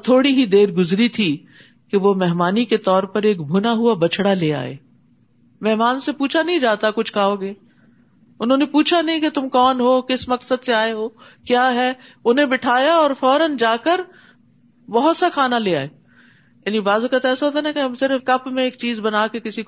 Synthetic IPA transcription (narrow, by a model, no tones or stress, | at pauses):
t̪ʰoːɽiɦid̪eːɾɡʊzɾit̪ʰi | keʋomɛɦmaːniket̪ɔːɾpɐɾeːkbʱʊnaɦuabɐt͡ʃʰɽaleːa̰ːḛː | mɛɦmaːnsepuːt͡ʃʰanɐɦĩd͡ʒaːt̪akʊt͡ʃʰkaːoːɡeː | ʊnɦõːnepuːt͡ʃʰanɐɦĩket̪ʊmkɔːnɦoːkɪsmɐksəd̪seaːeɦoːkjaːɦɛːʊnɦẽbɪʈʰaːjaɔːɾfɔːɾənd͡ʒaːkəɾ | bɐɦʊt̪saxʰaːnaleːa̰ːeː | jaːnibaːzokət̪ɛːsaɦoːt̪̬anakeɦɐmsɪɾəfkɐpmẽeːkt͡ʃiːzbɐnaːkekɪsik